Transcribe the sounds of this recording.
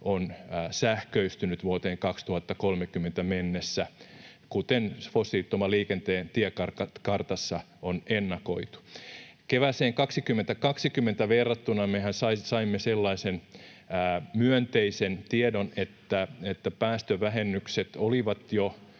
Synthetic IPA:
ʔonːsæhkøyst̪ynyt̪ʋuot̪eːŋkɑkst̪uhɑt̪ːɑkolmekymːent̪æmenːesːæ | kut̪enfosːit̪ːomɑliːkent̪eːnt̪iɛkɑrɑkɑrt̪ɑsːɑ | onenːɑkoit̪u̥keʋæseːŋkɑksikymːent̪ækɑksikymːent̪æʋerːɑt̪ːunɑmehænsɑisɑimːeselːɑisenː | myønt̪eisent̪iedonet̪ːæet̪ːæpæːst̪øʋæɦenːykset̪oliʋɑt̪jo

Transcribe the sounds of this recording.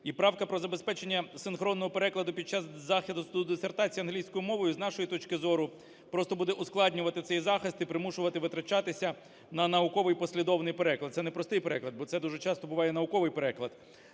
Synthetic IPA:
ipɾɑwkɐpɾɔzɐbespɛt͡ʃenʲːɐsɪnxɾɔnːɔɦɔpeɾɛklˠɐd̪ʊpʲid̚t͡ʃɑzzɑxʲid̪ʊsd̪ud̪esert̪ɑt͡sʲijɐnɦlʲijsʲkɔjʊmɔʋɔjʊznɑʃɔjit̪ɔt͡ʃkɪzɔɾʊ | pɾɔst̪ɔbud̪ɛʔʊsklˠɑdʲnʲʊʋɐt̪ɪt̪sɛjzɑxɪst̪ipɾɪmuʃʊʋɐt̪ɪʋɪt̪ɾɐt͡ʃɑt̪ɪsʲɐ | nɐnɐʊkɔʋɪjpɔsʲlʲid̪ɔwnɪjpeɾɛklˠɐd̪̚sɛnɛpɾɔst̪ɪjpeɾɛklˠɐd̪̚bɔt̪sɛd̪uʒɛt͡ʃɑst̪ɔbʊʋɑjɛnɐʊkɔʋɪjpeɾɛklˠɐd̪̥

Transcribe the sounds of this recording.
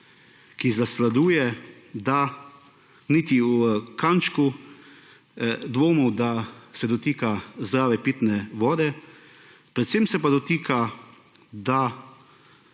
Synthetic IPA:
kizaslad̪uːjɛd̪a | niːt̪iwkant͡ʃku | d̪ʋoːmɔwd̪asɛd̪ɔt̪iːkazd̪ɾaːʋɛpit̪nɛʋɔːd̪ɛ | pɾɛt̪semsɛpad̪ɔt̪iːkʰa | d̪a

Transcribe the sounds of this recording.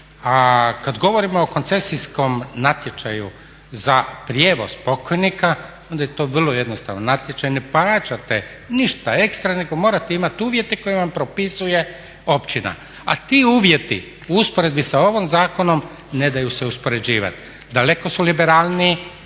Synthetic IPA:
akad̪ɡo̞ʋo̞ɾimoːko̞nt̪se̞sisko̞mnat̪je̞t͡ʃajṵ | zapɾje̞ːʋo̞spo̞kojnika | ond̪ajet̪o̞ːʋr̩lˠoje̞d̪no̞st̪a̰ʋnonat̪je̞t͡ʃajne̞pat͡ʃat̪e | niʃt̪ae̞kst̪ɾaneɡo̞mo̞ɾat̪eimat̪uːʋje̞t̪eko̞jeʋampɾo̞pisuje̞ | o̞pt͡ʃina̰ | a̰t̪iːuːʋje̞t̪ḭ | uuspoɾe̞d̪̚bisao̞ʋomzaːkono̞m | ne̞d̪ajuseuspo̞ɾe̞d͡ʑiːʋa̰t̪ | d̪ale̞ko̞sulibe̞ɾaːlˠni

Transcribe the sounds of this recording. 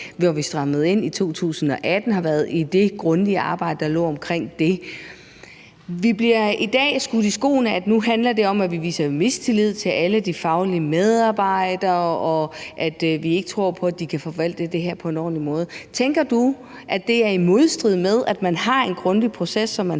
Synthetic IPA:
ʋɒʋisd̥ʁɑ̈məð̩ˠe̝n̰it͡sʰo̝̰ːt͡sʰṵːsn̩ɒ̽ʔæd̥n̩ɦɑ̈ʋæɐð̩ˠid̥e̝ɡ̥ʁɔ̽nd̥iəɑ̈ːb̥ɑ̈ɪ̰d̥əd̥ɑ̈lɔ̰ːɒ̽mkʰʁeŋ̰d̥e̝ | ʋib̥liɐid̥ɛ̰ːsɡ̥uðˠisɡ̥o̝̰ːnəæd̥nuɦænlɐd̥e̝ɒ̽mæʋiʋḭːsɐme̝st͡sʰe̝lið̞̰ˠt͡sʰe̝læləd̥ifɑ̈ʊliəmeð̞ˠɑ̈ːb̥ɑ̈ɪ̰d̥ɐːɒ̽ʔæd̥ʋie̝ɡ̥ət͡sʰʁo̝ɐ̰pʰɒ̽æd̥ikʰæfɒ̽ʋæl̰d̥əd̥e̝ɦæɐ̰pʰɒ̽e̝nɒ̰ːlimɔ̽ːð̞̩ˠt͡sʰeŋɡ̥ɐd̥u | ʔæd̥ːe̝æɐimo̝ð̞ˠsd̥ʁið̩̰ˠmeð̞ˠæd̥mænɦɑ̈e̝nɡ̥ʁɔ̽nd̥ipʰʁo̝sesːɒ̽mːæn

